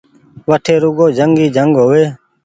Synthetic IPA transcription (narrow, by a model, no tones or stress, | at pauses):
ʋəʈʰeːɾʊɡoːd͡ʒʱəŋɡiːd͡ʒʱəŋɡɦoːʋeː